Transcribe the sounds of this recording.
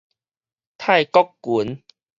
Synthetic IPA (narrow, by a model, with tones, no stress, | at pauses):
t̪ʰa˥˧jkɔ˦kːu˨˦n